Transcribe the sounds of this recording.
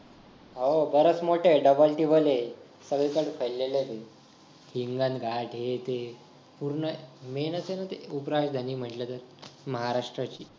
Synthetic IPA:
ɦobəɾəsmoʈeɖəbəlʈiːbəle | səɡɭekəɽfʰəjlːelebe | hiŋɡãnt̪ɡʱaʈɦet̪e | puɾɳəmenəsenat̪eupɾaɕd̪ʱaniːm̤əɳʈlat̪əɾməɦaɾaʂʈɾat͡ɕiː

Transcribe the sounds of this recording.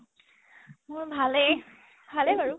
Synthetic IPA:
mʊɹbʱalɛ | bʱalɛbʱaɹu

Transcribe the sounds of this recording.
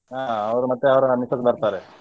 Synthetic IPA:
aːɐʋɐɾumɐt̪ːeɐʋɐɾɐnisɐsbɐɾt̪aːɾe

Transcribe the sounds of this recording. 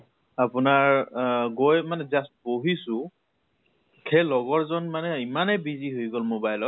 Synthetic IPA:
apʊnaɹɡojmanɛzast̚boɦisʊ̃ | kʰelɔɡɔɹzɔnmanɛimanɛbiziɦojɡɔlmobajlɔt

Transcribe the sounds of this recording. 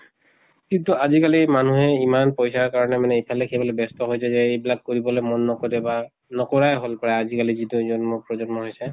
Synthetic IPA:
kintuazikalimanuɦɛimanpɔjsaɹkaɹɔnɛmanɛipʰalekʰɛbɔlobɛstɔɦojsɛzɛejbilakkoɹibɔlojmɔnːɔkɔtɛba | nɔkɔɹajɦolpɔɹaazikaliziduzɔnmupɹɔzɔnmɔɦojsɛ

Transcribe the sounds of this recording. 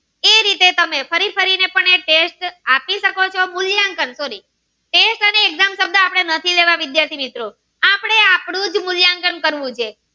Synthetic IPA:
eɾit̪et̪əmefəɾifʰəɾinepəɳeʈesʈapiʃəkot͡ʃʰomʊljaŋkənsoɾi | ʈesʈəneːɡzamsəb̚d̪aːpɽ̃enət̪ʰileʋãʋɪd̪jaɾt̪ʰimit̪ɾo | apɽ̃eapɽ̃ũd͡ʒmʊljaŋkənkəɾʋũt͡ʃʰe

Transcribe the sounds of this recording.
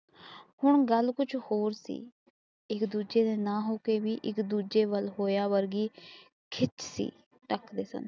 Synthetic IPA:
hʊɳɡəlkʊt͡ʃʰhoːɾsḭː | ɪkd̪uːd͡ʒeːd̪eːnãːɦoːkeːʋiːʔɪkd̪uːd͡ʒeːʋəlɦoːjaːʋəɾɡiː | kʰɪt͡ʃsḭː | ʈəkʰd̪eːsə̰n

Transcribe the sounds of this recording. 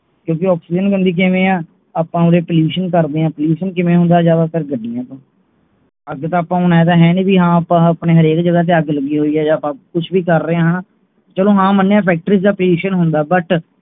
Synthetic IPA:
kjõːk̬ɪɔːksiːd͡ʒənkənd̪iːk̬ɪʋẽːãː | aːpːãːʊɾeːpəljuːʃənkəɾd̪eːãːpəluːʃənkɪmẽːɦʊ̃nd̪aːd͡ʒaːdaːpʰɪɾɡəɖːiːãːt̪ãː | əɡt̪ãːaːpãːʊnɛːd̪aːɦɛːniːbiːɦãːəpãːəpneːɦəɾeːkd͡ʒəɡaːt̪̬eaːɡləɡiːɦoːiːɛːd͡ʒãːpãːkʊt͡ʃʰʋiːkəɾːəãːɦãː | t͡ʃəlõːɦãːmənːjãːpʰɛːk̚ʈəɾiːsd̪aːpəluːʃənɦʊnd̪aːbəʈ

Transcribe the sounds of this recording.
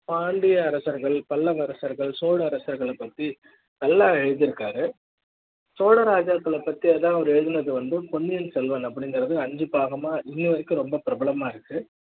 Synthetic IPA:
paːɳɖɪjɐɐɾɐsɐɾɣɐɭpɐlːɐʋɐɾɐsɐɾɣɐɭsoːɽɐɐɾɐsɐɾɣɐɭɐpːɐt̪ːi | nɐlːaːɛɻɯðɪɾɯkːaːɾɯ | soːɽɐɾaːd͡ʒaːk̪ːɐɭɐpːɐt̪ːiɐðãːɐʋɐɾɯɛɻɯðɯnɐðɯʋɐnd̪ɯpɔɳːɪjɐnsɛlʋɐnɐpːɐɽɪŋɡɯɾɐðɯɐɲd͡ʒɯpːaːɣɐmaːʔɪnːiʋɐɾɪkːɯ̃ɾɔmbɐpɪɾɐbɐɭɐmaːɪɾɯkːɯ

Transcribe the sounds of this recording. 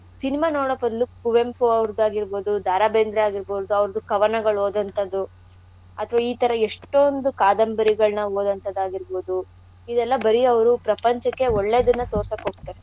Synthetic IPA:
sinimaːnoːɽɐbɐd̪ɐlukuʋempoɐʋɾd̪aːɡiɾbo̞ːd̪ud̪ʱaːɾabeːnd̪ɾiaːɡiɾboːd̪uɐʋɾɐd̪ukɐʋɐnɐɡɐɭoːd̪ɐnt̪ɐd̪ːu | ɐt̪ʰɐʋaiːt̪ɐɾɐeʂʈːond̪ukaːd̪ɐmbɐɾiɡɐɭnɐoːd̪ɐnt̪ɐd̪aːɡiɾboːd̪u | id̪ɛlːɐbɐɾiɐʋɐɾupɾɐpɐɲt͡ʃɐkːe̞oɭːeːd̪ɐnːɐt̪oːɾsɐkɦoːɡ̚t̪ːaːɾe

